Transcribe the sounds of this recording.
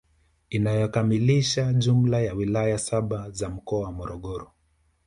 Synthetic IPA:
inajɔkamiliʃaʄum̩lajawilajasaɓazam̩kɔamɔɾɔɠɔɾɔ

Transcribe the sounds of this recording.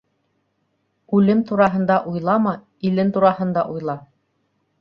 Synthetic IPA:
ʉlɘmt̪uɾɑɦɤ̆nd̪ɑʔujlˠɑmɤ | ilɘnt̪uɾɑhɤ̆nd̪ɑʔujlˠɑ

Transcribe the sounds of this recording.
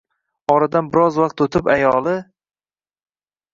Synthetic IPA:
ɒɾad̪anbɪɾɒzwaq̚t̪ot̪ʰɪpajɒlˠɪ

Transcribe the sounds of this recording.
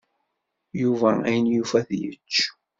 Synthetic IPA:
juvææjənjufæθjə̰t͡ʃː

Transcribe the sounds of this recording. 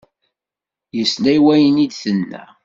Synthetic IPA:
jəslæjwæjənid̪θənːæ̰

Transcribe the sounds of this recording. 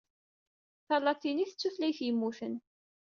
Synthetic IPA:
θɑlːɑt̪ːiniθət͡sːuθlæjθjəmːuθən

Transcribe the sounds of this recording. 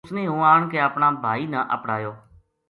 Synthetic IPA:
snẽːɦũːaːɳkeːəpɳaːbʱaːiːnãːʔə̰pɽaːjoː

